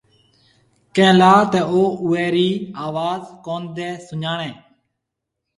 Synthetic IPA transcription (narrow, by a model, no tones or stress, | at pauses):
kɛ̃ːlaːt̪ɛːoːʊɛːɾiːaːʋaːzkoːnd̪ɛːsʊɲaːɳɛ̃ː